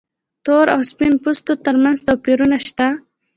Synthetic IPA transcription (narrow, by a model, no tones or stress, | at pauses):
t̪oɾa̰wspinpust̪ot̪əɾmanzt̪awpiɾunaʃt̪a